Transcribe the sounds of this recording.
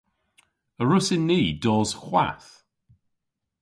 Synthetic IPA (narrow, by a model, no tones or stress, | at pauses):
əɹʊsɪnːiːdɔːz̥χwa̰θ